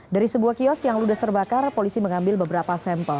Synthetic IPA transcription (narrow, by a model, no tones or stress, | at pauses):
daɾisəbuahkiɔsjaŋludast̪ərbakarpolisiməŋambɪlbəbəɾapasɛmpəl